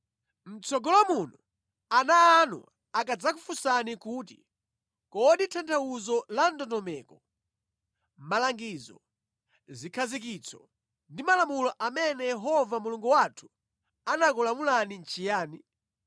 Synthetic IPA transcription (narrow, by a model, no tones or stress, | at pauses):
m̩t͡sɔɡɔlamunu | anaːnṵ | akad͡zakufusanikuːtḭ | kɔɗitʰantʰauzɔlandɔtɔmɛːkɔ | malaŋɡizɔ̰ | zikʰazik̬it͡sʰɔ | ndimalamulɔʔamɛnɛjɛɦɔvamuluŋɡuwatʰu̥ | anakulamulanin̩t͡ʃʰijaːni